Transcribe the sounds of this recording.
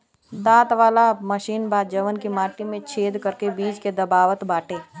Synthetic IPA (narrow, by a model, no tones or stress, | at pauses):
d̪aːt̪ʋaːlaməʃiːnbaːd͡ʒəʋənkimaːʈimẽt͡ʃʰeːd̪kəɾkebiːd͡ʒked̪ɐbaːʋət̪baːʈʰeː